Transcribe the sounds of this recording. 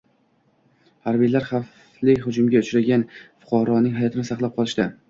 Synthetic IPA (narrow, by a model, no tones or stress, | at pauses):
haɾbijlaɾχaf | lɪhʊd͡ʒʊmɡʲaʊt͡ʃɾaɡʲanfʊ̥qʰɑɾɒnɪŋɦajɒt̪ʰɪnɪsɑqlˠap̚qʰɒlˠɪʃt̪ɪ